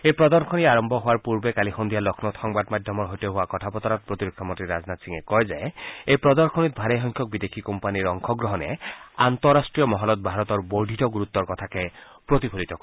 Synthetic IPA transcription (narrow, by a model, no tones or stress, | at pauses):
epɾɔd̪ɔɾkʰɔniaɾɔmbʱɔɦowaɾpuɾbekalixond̪ijalɔkʰnɔt̪ʰɔŋbad̪mad̪ʱjɔmɔɾɦojt̪ɔɦoakɔtʰapɔt̪ɔɾat̪̚pɾot̪iɾok̚tʰɔmɔnt̪ɾiɾad͡znat̪siŋekɔjzaeepɾɔd̪ɔɾkʰɔnit̪̚bʱaɾeɦɔŋkʰjɔk̚bid̪ekʰikɔmpaniɾɔŋkʰɔɡɾɔɦɔnḛant̪ɔɾːasʈɾijɔmɔɦɔlɔt̪̚bʱaɾɔt̪ɔɹboɖʱit̪ɔɡuɾut̪ːɔɾkɔt̪ʰake | pɾot̪ipʰolit̪ɔ